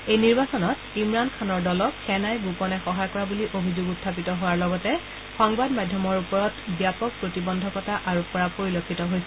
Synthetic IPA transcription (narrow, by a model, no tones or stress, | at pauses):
ejniɹbasɔnɔt | imɹankʰanɔɹdɔlɔkxɛnajɡupɔnɛxɔɦajkɔɹabuliʔobʱizoɡutʰːapitɔɦowaɹlɔɡɔtɛ | xɔŋbadmadʱjɔmɔɹupɔɹɔtbjapɔk̚pɹotibɔndʱɔkɔtaʔaɹupɔɹapoɹilokʰːitɔɦojsɛ